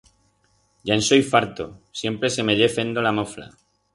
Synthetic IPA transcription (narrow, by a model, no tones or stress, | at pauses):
ʝaenso̞jfaɾt̪osje̞mpɾe̞se̞me̞ʎefe̞nd̪o̞lamofla̰